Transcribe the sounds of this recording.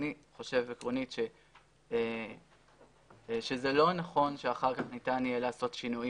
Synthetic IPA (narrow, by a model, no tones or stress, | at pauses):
niχo̞ʃe̞vekʁo̞nitʃe | ʃe̞zelo̞naχo̞nʃeaχaʁkaχnitanijelaːso̞tʃinuji